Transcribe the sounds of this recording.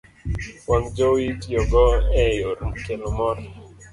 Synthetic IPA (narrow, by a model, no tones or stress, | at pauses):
waŋd͡ʒowitjɔɡɔɛjoɾmkelɔmɔɾ